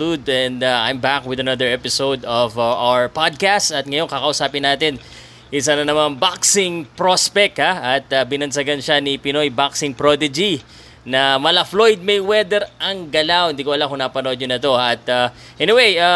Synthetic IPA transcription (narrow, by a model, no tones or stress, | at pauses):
ud̪ɛ̃nd̪aʔa̰jmbakwɪðɐnɐd̪ɛɹʔɛpɪsowd̪ɔvaʔawəɹpad̪̚kastɐt̪̚ŋɐjo̞ŋkɐkɐʔʊsaːpɪnːaːt̪ɪn | ʔɪs̬anɐnɐmanbaksɪŋpɾospɛk̚haɐt̪̚ɐbɪnɐnsɐɡanʃanipɪno̞jbaksɪŋpɾod̪ɪd͡ʒi | nɐmɐlɐflojd̪̚mɐjwɛd̪ɛɾʔɐŋɡɐlawɪnd̪ikoʔɐlakʊŋnapɐnod̪̚ɲʊnɐt̪o̞haɐt̪a | ʔɛnɪweja